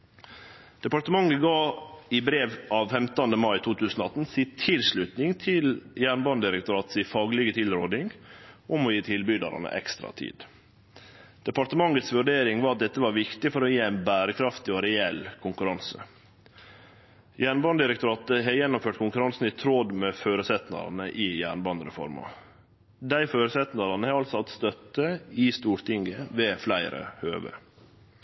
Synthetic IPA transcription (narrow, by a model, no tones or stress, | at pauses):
d̪̥ɛpɑt̪əmɑŋːəɡɑːɪbɾeːʋɑːʋfɛmt̪ɑnd̪əmɑɪt̪ʰuːt̪ʰʉːsn̩ɔɑt̪n̩siːt̪ʰɪlsɭʉt̪nɪŋt̪ʰɪljæːɳbɑnd̪ɪɾəkt̪ʊɾɑːt̪siːfɑːɡlɪɡət̪ʰɪlɾoːd̪ɪŋʔʊmɔjiːt̪ʰɪlbyːd̪ɑ̰ɾɑ̰nə̰ʔɛ̰kst̪ɾɑ̰t̪ʰḭːd̪̥ | d̪̥ɛpɑʈ̪əmɑŋːət̪sʋʉɖeːɾɪŋʋɑːɾɑt̪̚d̪ɛt̪ːəʋɑːɾʋɪkt̪ɪfɔɾɔjiːæɪnbæːɾəkʰɾɑft̪ɪɔɾɛɛlkʰʊŋkʉɾɑnsə̰ | jæːɳbɑnd̪ɪɾəkt̪ʊɾɑːt̪əɦɛjɛnːʊmføːʈkʰʊŋkʉɾɑnsn̩ɪt̪ʰɾod̪mɛføːɾəsɛt̪nɑ̰ɾ̰nəʔɪːjæ̰ːɳbɑnd̪ɾɛ̰fɔ̰ɾmɑ̰ | d̪æɪføːɾəsɛt̪nɑɾɑnəhɛɑlsɔhɑt̪st̪œt̪ːəɪst̪uːɾt̪ɪŋɡəʋeːflæɪɾə̰høːʋə̰